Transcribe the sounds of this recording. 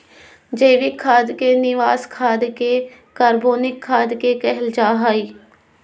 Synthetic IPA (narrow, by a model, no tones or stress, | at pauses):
d͡ʒeːʋɪkʰːaːd̪keːnɪʋaːskʰaːd̪ke | kaːɾboːnɪkʰːaːd̪kekɛɦəld͡ʒaːɦaːiː